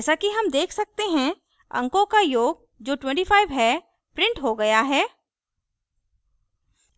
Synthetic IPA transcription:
ɛːsakiɦɐmd̪eːkʰsɐk̚t̪eɦɛ̃ | ɐ̰̃ŋkõkajoːɡ̚ | d͡ʒoːʈwɛ̃ɳʈifʰaːɪʋɦɛ | pɾɪ̃ɳʈɦoɡɐjaɦɛː

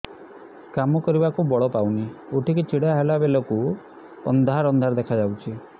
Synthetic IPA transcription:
kamɔkɔɾibakubɔɭɔpawnioʈʰiket͡ʃiɽaɦelabeloku | ɔ̰nd̪ʱaɾɔnd̪ʱaɾd̪ekʰad͡ʒawt͡ʃʰi

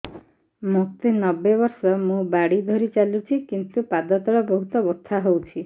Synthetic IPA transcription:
muk̚t̪inɔbebɔɾsɔmũbaɽid̪ʱɔɾit͡ʃalut͡ʃʰikint̪upad̪ɔt̪ɔɽɔbɔɦut̪ɔbɔt̪ʰːaɦowt͡ʃʰi

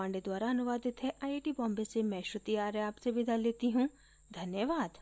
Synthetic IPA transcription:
aːɳɖed̪waːɾaɐnʊʋaːd̪ɪt̪ɦɛʔaːeʈibɔ̃ːmbesemɛ̃ːʃɾʊt̪iaːɾeaːpsebɪd̪ʱaleːt̪iɦũ | d̪ʱɐnjəʋaːd̪

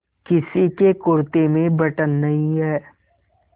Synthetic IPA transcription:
kɪsikekʊɾt̪emẽbɐʈənːɐɦĩɦɛː

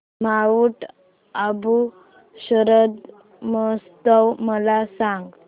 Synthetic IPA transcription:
maʋuʈ | abu | ɕəɾəd̪ | məst̪əwməlasaŋɡ

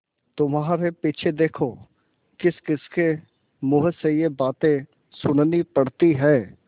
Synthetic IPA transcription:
t̪ʊmɦaːɾepiːt͡ʃʰed̪eːkʰo | kɪskɪske | mʊɦəsejebaːt̪ẽ | sʊnnipɐɽt̪iɦɛː

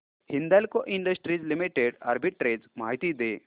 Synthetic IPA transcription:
hind̪alkoʔiɳɖɐsʈɾid͡zlimiʈeɖa̰ɾbʱiʈ̚ːɾed͡zmaːɦit̪iːd̪e

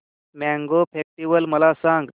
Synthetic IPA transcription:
mæ̃ŋɡopʰek̚ʈiʋəlməlasãŋɡ

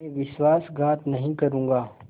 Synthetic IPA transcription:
ẽʋɪʃwaːsɡʱaːt̪nɐɦĩkɐɾũːŋɡaː

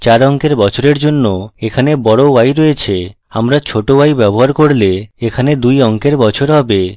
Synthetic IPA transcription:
t͡ɕaɾɔŋkeɾbɔt͡ɕʰoɾeɾd͡ʑonːoekʰanebɔɽoajɾɔjet͡ɕʰe | amɾat͡ɕʰoʈoajbɛboɦaɾkoɾleekʰaned̪ujɔŋkeɾbɔt͡ɕʰoɾɦɔbe

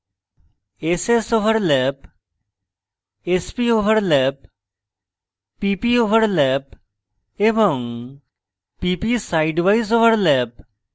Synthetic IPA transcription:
esesoʋəɾlɛp | espioʋəɾlɛp̚ | ipioʋəɾlɛp | ebɔŋ | pipisajɖʋajzoʋəɾlɛp̚

